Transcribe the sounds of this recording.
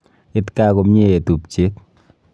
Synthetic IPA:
ɪ˦tka˦ko˨mɲe˦e˨tu˨p̚t͡ʃe˦t

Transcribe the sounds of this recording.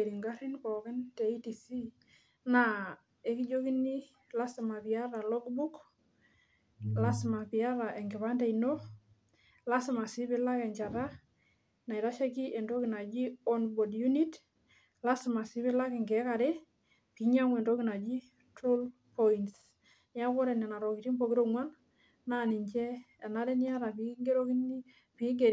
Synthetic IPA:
e˨ɾi˨ŋɡa˦ɾi˦nkɔ˨kɛ˦ntɛ˨i˦ti˨si˦ | na˨ | e˨˦ki˦d͡ʒo˦ki˦ni˦ | la˦sma˨pi˨a˦ɾa˨lɔ˦ɡbu˦k | la˦sma˨pi˨a˦ɾa˨ʔɛ˨ŋɡɪ˨βa˦nda˦ino˦ | la˦sma˨si˦βɪ˦la˦kɛ˨ɲt͡ʃa˨ɾa˦ | na˨i˨ɾa˦ʃɛ˦ki˦ʔɛ˨ndo˦ki˨na˨d͡ʒi˦ɔ˦nbɔ˨dju˦ni˦t | la˦sma˨si˦bɪ˦la˦kɛ˨ŋɡɛ˨˦ka˨ɾe˦ | pi˨ɲa˦ŋɛ˨ndɔ˦ki˨na˨d͡ʒi˦ | tɾo˦l | pɔints | nja˦kɔ˦ɾɛ˨nɛ˨na˨ɾɔ˨ki˨ti˦mbo˨ki˦ɾo˦ŋwa˦n | na˦nɪ˨ɲt͡ʃɛ˦ɛ˨na˦ɾɛ˦ni˦a˦ɾa˨pi˨ki˦ŋɡe˦ɾo˦ki˦n | pɪ˨ɪ˦ŋɡe˨ɾ

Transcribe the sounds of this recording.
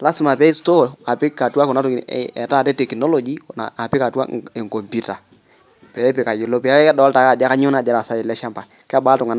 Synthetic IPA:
la˦sɪ˨ma˨pɛ˦i˦sto˦a˨pɪ˦ka˨twa˦kʊ˨na˦tʊ̰˨ɛ̰˨ta˦˨tɛ˦te˨ki˨nɔ˦lo˨d͡ʒi˦na̰˨a˨pɪ˦ka˨twa̰˦e˨ŋko˨mpu˦ta˨ | pɛ˨˦pɪ˨ka˨jɪ˨lo˦pɛ˨a˦ɛ˦dɔ˨˦lta˨ka˦˨d͡ʒa˦ka˦ɲʊ˦na˨d͡ʒa˨ɾa˨sa˦ɪ˨lɛ˦ʃa˦mpa˨ | kɛ˦a˦baː˦tʊ˨ŋa˨n

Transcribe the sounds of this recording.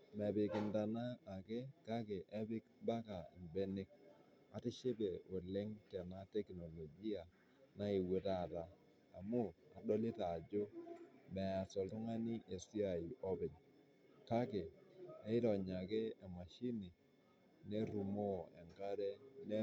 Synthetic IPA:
mɛ˨bɪ˨kɪ˨nda˨naː˦˨ke˦ka˦ke˨ʔɛ˦bɪ˦kba˦ka˨ɪ˨mbe˦nɪ˦k̚ | a˨tɪ˦ʃe˦be˨o˨le˦ŋtɛ˨na˦te˦kno˨lo˨ɡi˦a˨ | na˦i˨we˦ta˦˨taː˨ | mʊ˦a˨dɔ˦lɪ˦ta˨d͡ʒo˦mɛ˨a˨sɔ˨ltʊ˦ŋa˦ni˦ʔe˨si˦a˨i˨ʔɔ˦bɪ˨ɲ | ka˦ke˨a˦ɪ˦tɔ˨ɲa˨ke˦e˨ma˨ʃi˦ni˨ | ne˦ɾu˨mo˦˨ɛ̰˨ŋka˦ɾɛ˦ne˦

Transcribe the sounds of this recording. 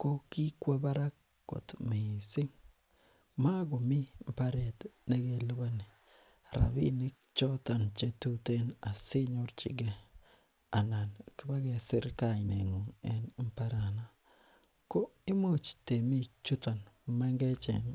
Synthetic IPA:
ko˦ki˦kwe˦ba˦ɾa˦ | ko̰˨tme˨sɪ˦ŋ | ma˦ɡo˨mi˦m˨pa˦ɾe˨tne˦ɡe˨lo˦ba˦ni˨ | ɾa̰˨bi˦nɪ˦kt͡ʃɔ˦ta˨nt͡ʃe˦tu˦te˦na˨sɪ˦ɲo˦ɾt͡ʃɪ̰˨ɡɛ˦ | a˨na˨nkɪ˦ba˦ɡɛ˨sɪ˦ɾka˦˨ɪ˨ne˨ŋo˨ŋɛ˦nm˦pa˦ɾa˨na˦ | ko˦ | ɪ˦mo˦t͡ʃte˨mi˦t͡ʃu˦ta˨nma˦ŋɡɛ˦t͡ʃɛ̰˨ŋ

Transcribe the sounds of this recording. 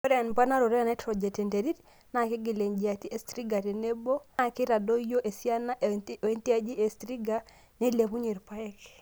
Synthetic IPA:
o˦ɾɛ˦a˨npa˦na˦ɾo˨ɾɛ˦a˨na˦tɾɔ˨d͡ʒɛ˨te˨nde˨ɾi˦t | na˨ki˦ɡi˨le˨ɲd͡ʒi˨a˨ti˦e˨stɾi˦ɡa˨te˨ne˦bo˦a˦˨ki˦ɾa˨do˦jo˦ʔe˨si˦a˦na˦ʔe˦nti˦a˦d͡ʒi˦ʔe˨stɾi˦ɡa˦ | ne˦le˨pu˦ɲe˨ɾpa˦ɛ˦k

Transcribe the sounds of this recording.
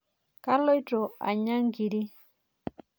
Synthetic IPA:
ka˦lo˦i˦to˨a̰˨ɲa˦ŋɡi˨ɾi˦

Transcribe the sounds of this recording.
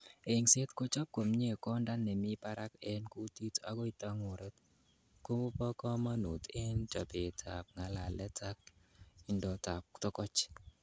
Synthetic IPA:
e˨ŋse˦t̪ko˦t͡ʃa˦p̚ko˨mɲe˦˨kɔ˦nda˦nɛ˨mi˦pa˦ɾa˦kɛ˦nku˦t̪i˦ta˦ɡo˦i˨t̪a˦ŋʊ˨ɾɛ˦t | ko˦pa˦kɔ˦ma˦nu˨t̪e˦nt͡ʃa˨pe˨tʰa˨p̚ŋa˨la˨lɛ˦tʰa˦k̚ | ɪ˨ndɔ˨ta˨p̚tɔ˦kɔ˦t͡ʃ

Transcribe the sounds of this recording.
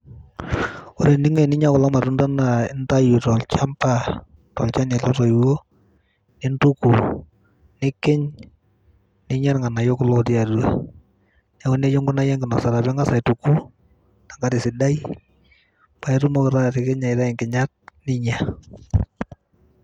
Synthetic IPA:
ɔ˦ɾe˨nɪ˦ŋe˨nɪ˦ɲa˦kʊ˨la˦ma˨ɾu˦nta˦naɪ˦nta˦ju˨tɔ˨lt͡ʃa˦mpa˨ | tɔ̰˨lt͡ʃa˦nɛ˨lɔ˦ɾo˨jwo˦ | nɪ˦ntu˦ku˨ | nɪ˦kɪ˦ɲ | nɪ˦ɲa˦ɾŋa˨na˨jo˦kʊ˦lɔ˦tɪ˦a˨du˨a˦ | na˨˦kʊ˦ne˦t͡ʃɔ˦ŋɡʊ˦na˦jɛ˦ŋɡɪ˨nɔ˨ksa˨ɾa˨bɛ˦ŋa˦sa˨tu˨ku˦ | na˨ŋɡa˦tɪ˨sɪ˨da˦j | pa˨ɛ˦ɾu˦mo˦kɾa˦tɪ˨kɪ˦ɲa˨ɪɾa˦ɪ˨ŋkɪ˨ɲa˦t̚nɪ˦ɲa˨

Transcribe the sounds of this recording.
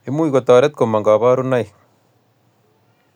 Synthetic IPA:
i˦mu˦iko˨t̪aː˨ɾe˦t̪̚ko˨ma˨ŋɡa˨βa˦ɾu˦na˦j

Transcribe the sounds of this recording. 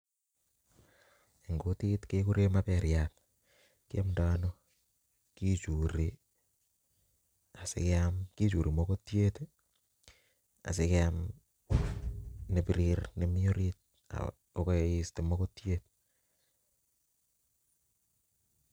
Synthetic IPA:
e˨ŋɡo˦ti˦tke˦ku˦ɾe˦ma˦peɾjat | ki˦a˦mdaːno˦ | ki˦t͡ʃu˨ɾi | a˨sḛkeamki˦t͡ʃu˨ɾi˨moko˦tje˦t | a̰˨sekeam | ne˨piɾiɾne˦mi˦o˦ɾit̚ | a̰ | o˦ko˦i˦ste˨mokotje˦t̚

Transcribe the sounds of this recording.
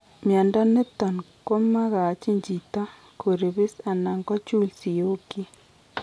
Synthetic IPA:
mja˨nda˦ne˦t̪a˨nko˦ma˦ɣa˨t͡ʃi˦ɲd͡ʒi˨t̪a˦ | kʰo˨ɾe˨βe˦sa˨na˨ŋkɔ˦t͡ʃu˦˨lsi˨jo˦ki˦

